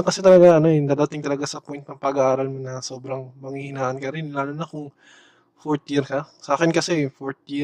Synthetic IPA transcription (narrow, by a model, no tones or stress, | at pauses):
ŋkɐsɛt̪ɐlɐɡaɐno̞ɛnd̪aːd̪at̪ɪŋt̪ɐlɐɡasɐpwojnt̪nɐŋpɐɡɐʔaːɾɐlmonɐso̞ːbɾɐŋmɐŋihɪnaːʔɐnkɐɾɪnlaːlonɐkʊŋ | foɾt̪jɪɾkɐsʔaːkɪnkɐsɛfoɾt̪̚jɪ